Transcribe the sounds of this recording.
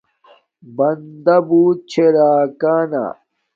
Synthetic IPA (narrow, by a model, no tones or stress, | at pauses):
bɐnd̪ɐbuːt̪̚t͡ɕʰeɾaːkaːna̰ː